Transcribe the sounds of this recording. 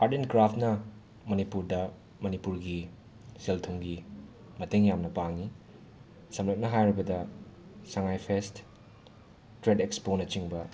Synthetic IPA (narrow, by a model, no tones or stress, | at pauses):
aɾdenkɾapʰt̚nɐ | mɐnipuɾdɐ | mɐnipuɾɡi | seltʰuŋɡi | mɐteŋjamnɐpaŋi | sɐmɾɐt̚nɐɦajɾibɐdɐsɐŋajpʰest | tɾedeksponɐt͡ʃiŋbɐ